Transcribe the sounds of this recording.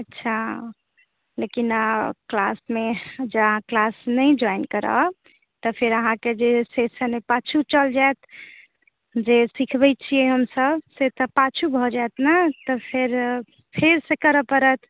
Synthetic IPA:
ətːʃʰa | lekinklasmed͡ʒəəɦãklasnəjd͡ʒɔjnkəɾə̰ | t̪əpʰeɾəɦãked͡ʒesesənmepat͡ʃʰut͡ʃəld͡ʒaet̪ | d͡ʒesikʰbɛt͡ʃʰijɛɦəmsəbset̪ɔpat͡ʃʰubʱɔd͡ʒat̪nat̪ɔpʰeɾ | pʰeɾsekəɾəpəɾət̪ʰ

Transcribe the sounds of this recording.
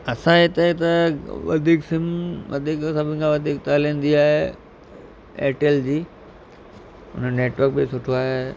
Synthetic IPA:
ɐsãet̪et̪ɐʋɐ̰d̪ʱiːksɪmʋɐ̰d̪ʱiːksɐbʱɪ̃kʰãʋɐd̪ʱiːk̚t̪aːlĩːnd̪iaːɦe | ḛːʈeld͡ʑiː | ʊ̰nəneːʈʋəɾk̚bɪsʊʈʰoaːɦe

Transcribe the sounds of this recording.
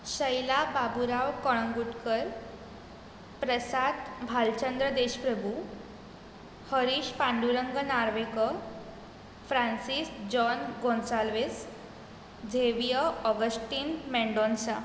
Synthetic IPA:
ɕəjlababuɾaʋkəɭ̃ŋɡuʈkəɾ | pɾəsat̪bʱalt͡ɕənd̪ɾəd̪eɕpɾəbʱu | həɾiɕpãɳɖuɾəŋɡənaɾʋekə | fɾansisd͡ʑɔnɡõnsalʋes | d͡zʱeʋjəɔɡəsʈiːnmɛɳɖonsa

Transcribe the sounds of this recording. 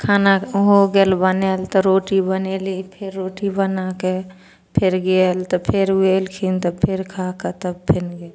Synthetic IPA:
kʰaːnaɦoɡelbənelt̪ɔɾoːʈibənelipʰɪɾːoːʈibənake | pʰɪɾɡelt̪ɔpʰɪɾelkʰint̪ɔpʰɪɾkʰaket̪əbpʰɪnɡe

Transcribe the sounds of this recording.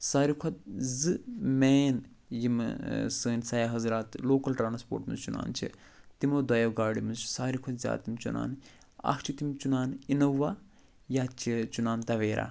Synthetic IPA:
saːɾikʰɐt̪̚zɨmeːn | jimsəːnʲsɐjaːɦɐzɾaːt̪loːkɐlʈɾaːnspo̰ːɾʈmɨ̰nzt͡ʃuna̰ːnt͡ʃʰḭ | t̪imoːd̪ɐjɐwɡaːɽimɨnzt͡ʃʰsaːɾikʰɐt̪zʲa̰ːt̪imt͡ʃuna̰ːn | ɐ̰kʰt͡ʃʰit̪imt͡ʃunaːninɐʋaː | jaːt͡ʃʰit͡ʃunaːnt̪ɐʋeːɾa̰

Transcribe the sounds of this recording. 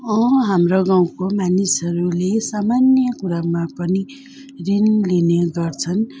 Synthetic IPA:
ʌ̃ɦamroɡaw̃komanisʌɾulesamanjʌkuɾamapʌni | rinlineɡʌrt͡sʰʌn

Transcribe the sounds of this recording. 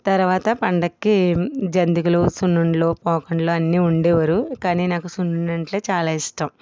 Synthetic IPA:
t̪ɐɾʋaːt̪ɐpɐɳɖɐkːid͡ʒɐnd̪ikuloːsunːuɳɖlo̞ːpɔːkɐɳloːɐnːiːuɳɖɛːʋɐɾukaːniːnaːkusunːuɳɐɳʈleːt͡ʃaːlaːiʂʈɐm

